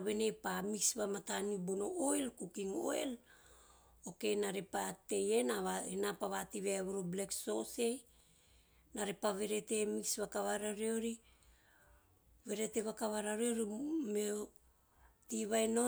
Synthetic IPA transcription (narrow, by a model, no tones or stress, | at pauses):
βe̞ne̞pamiksβamatanibono̞ʔoelkukiŋo̞̰ḛl | o̞ke̞naɾepate̞je̞naβaenapaβatiβeaβuɾoble̞kso̞se̞j | naɾepaβe̞ɾe̞te̞miksβakaβaɾaɾeoɾi | βe̞ɾe̞te̞βakaβaɾaɾeoɾime | tiβajno̞